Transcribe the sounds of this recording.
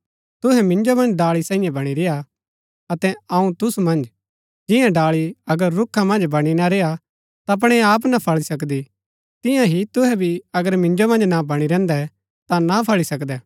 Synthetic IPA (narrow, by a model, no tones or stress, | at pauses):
t̪ʊɦɛmɪ̃nd͡ʒomɐ̃nd͡ʒɖaːɭisãːĩjɛ̃bɐɽ̃iɾeja | ɐt̪ɛɐũt̪ʊsumɐ̃nd͡ʒ | d͡ʒɪ̃jãɖaːɭiɐɡəɾːʊkʰːamɐ̃nd͡ʒbɐɽ̃inaɾea | t̪aɐp̬ɽ̃ɛaːp̬napʰɐɭisɐk̬d̪i | t̪ɪ̃jãɦit̪ʊɦɛbʱiɐɡəɾmɪ̃nd͡ʒomɐ̃nd͡ʒnabɐɽ̃iɾɛ̃ːnd̪ɛ | t̪anapʰɐɭisɐkd̪ɛː